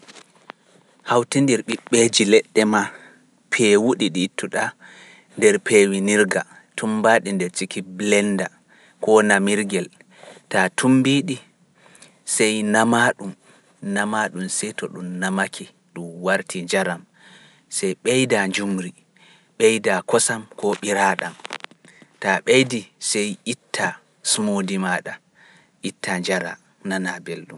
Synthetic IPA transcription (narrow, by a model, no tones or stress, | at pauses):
hawtindiɾɓiɓːed͡ʒilɛɗːɛma | pʰɛwuɗiɗitʰːuɗa | ndɛɾpewiniɾɡa | tʰumbaɗindɛɾt͡ʃikiblɛnda | kɔnamiɾɡɛl | tatʰumbiɗi | sɛjnamaɗum | namaɗumsɛjtɔɗumnamakʰi | ɗumwaɾtʰiɲd͡ʒaɾam | sɛjɓɛjdaɲd͡ʒumɾi | ɓɛjdakɔsamkɔɓiɾaːɗam | taɓejdisɛjʔitːa | sumodimaːɗa | ʔitːaɲd͡ʒaɾa̰ | nanabelɗum